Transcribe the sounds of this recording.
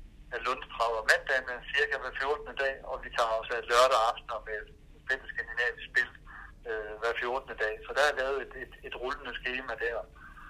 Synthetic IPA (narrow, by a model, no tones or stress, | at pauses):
ælɔ̽nst͡sʰʁɑ̈ʊɐmæn̰d̥ænəsiɐɡ̥æʋæɐfjo̝ɐd̥ənəd̥ɛ̰ːɒ̽ʋit͡sʰɑ̰̈ːɒ̽sæed̥lœɐɾ̥əɑ̈fd̥nɐmed̥ | fensɡkʰænd̥inɛ̰ːʋisb̥e̝l̰d̥ | øʋæɐfjo̝ɐd̥ənəd̥ɛ̰ːsɒ̽d̥æælɛːʊð̞̩ˠe̝d̥e̝d̥e̝d̥ʁulənəsɡ̥e̝ːmæd̥æɐ̰